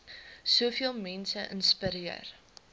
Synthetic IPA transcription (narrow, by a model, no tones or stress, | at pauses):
suəfiəlˠmɛnsəʔə̰nspəɾiə̰r